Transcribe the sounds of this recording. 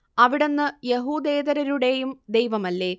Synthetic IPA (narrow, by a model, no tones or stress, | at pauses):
ɐʋiɽe̞nːɨjeɦuːd̪e̞ːd̪ɐɾɐɾuɽe̞jumd̪ejʋɐmɐlːe̞ː